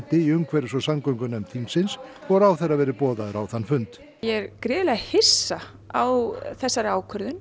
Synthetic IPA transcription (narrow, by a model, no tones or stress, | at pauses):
t̪ɪiʏmkʰvɛɾɪsɔsamkœɥŋkʏnɛmt̪ʰiŋksɪnsvɔɾawθɛrːavɛːɾɪpɔːðaɾawθanːfʏnt̪ | jɛɾkɾɛːðlɛɣahɪsːa | awθɛsːaɾaːwkʰœɾðʏn